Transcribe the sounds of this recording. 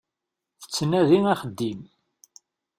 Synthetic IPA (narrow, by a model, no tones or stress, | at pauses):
θə̥t͡sːənæðinæχəd̪ːim